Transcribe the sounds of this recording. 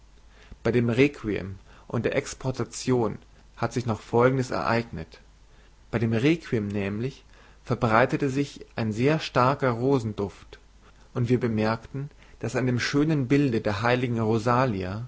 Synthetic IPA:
b̥aɪdeːmʁeːkʰviɛ̰mʔʊ̰ntd̥eːɐʔɛkspʰɔɐtʰat͡sjoːn | hatz̥ɪçnɔχfɔlɡŋ̩dəsɛ̰ɐʔa̰ɪɡnət | b̥aɪɾeːmʁeːkʰwimnɛːmlɪç | fɛɐbʁaɪtətəzɪçʔaɪnzeːɐʃtaɐkɐʁoːzn̩dʊft | ʔʊntv̥iːɐbəmɛɐktn̩ | d̥asandeːmʃøːnənbɪldədeːɐɦaɪlɪɡŋ̩ʁozaːlia

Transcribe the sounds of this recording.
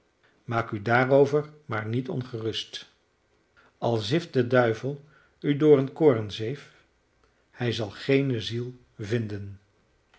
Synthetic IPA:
maːkydaːrowvəɹmaːɹnitɔ̰nχərɵst | ɑlˠzɪft̚dədœɥvəlˠ | ydʊːɹənkoːrənzejf | hɛjzɑlˠχejnəzilˠ | vɪndən

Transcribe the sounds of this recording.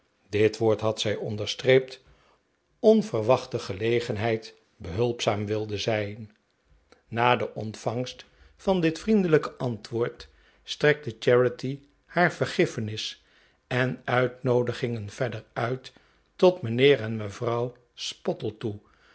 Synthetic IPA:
dɪtʋoːɹtɦɑtsɛjɔndəɹstrejp̚t | ɔnvəɹʋɑχtəχəlejχənɦɛjt | bəɦɵlˠpsaːmʋɪlˠdəzɛjnː | aːdəʔɔntfɑŋst | fɑndɪtfrindələkəʔɑntʋʊːɹt | strɛk̚dət͡ʃɛɹəti | haːɹv̥əɹχɪfənɪs | ɛnœɥtnowdəχɪŋənv̥ɛdəɹœɥt | ɔtmənɪːɹɛnməvrɑw | spɔtəlˠtu

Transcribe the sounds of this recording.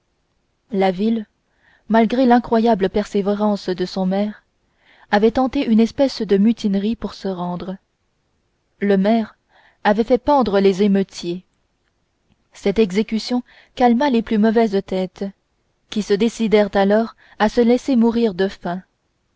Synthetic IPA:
lavil | malɡʁelɛ̃kχwajabləpɛʁseveʁɑ̃sd̪əsɔ̃mɛːʁ | avɛt̪ɑ̃t̪eʔynɛspɛsd̪əmyt̪inʁipuʁsəʁɑ̃ːd̪ʁə | ləmɛʁ | avɛfɛpɑ̃d̪ʁəlezemət̪ʰje | sɛt̪ɛɡzekʲysjɔ̃ | kalmaleplymɔvɛzt̪ɛt̪ | kʲisəd̪esid̪ɛʁt̪alɔːʁ | asəlɛsemuʁiʁd̪əfɛ̃

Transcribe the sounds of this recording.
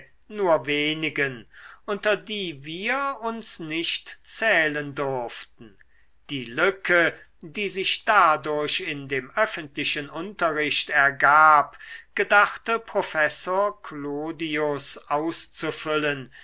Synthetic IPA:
nuːɐveːnɪɡənʔʊntɐdiːviːɐʊnsnɪʃtt͡sɛːləndʊɐftn̩ | d̥iːlʏkʰə | diːzɪʃd̥adʊɐɕɪndeːmœfəntlɪʃənʔʊntɐʁɪɕtɛɐɡaːpɡ̥ədaχtəpʁ̥ofɛsoːɐkʰloːdiʊsʔaʊst͡sufʏlən

